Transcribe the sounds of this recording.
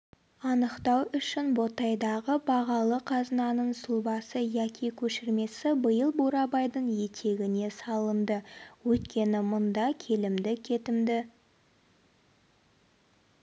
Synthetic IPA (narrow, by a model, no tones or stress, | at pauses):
ɑnəqt̪ɑwʏʃɪnbo̞t̪ɑjd̪ɑʁəbɑʁɑlˠəqʰɑzənɑnəɴsʊlˠbɑsəjækʲʰikʲʰɵʃɪɾme̞sɪbəjəlˠbuɾɑbɑjd̪əɴje̞t̪ʰe̞ɡʲɪne̞sɑlˠənd̪əwɵt̪kʲe̞nɪmʊnd̪ɑkʲʰe̞lɪmd̪ɪkʲʰe̞t̪ɪmd̪ɪ